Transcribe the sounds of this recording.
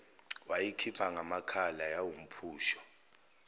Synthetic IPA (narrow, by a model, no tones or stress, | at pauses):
wajikʰipʰaŋamakʰalajawum̩pʰuːʃɔ̥